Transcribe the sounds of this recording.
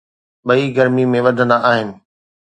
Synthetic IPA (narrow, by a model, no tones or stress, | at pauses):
ɓɐiɡɐɾmimẽʋɐd̪ʱənaaːɦɪnɪ̆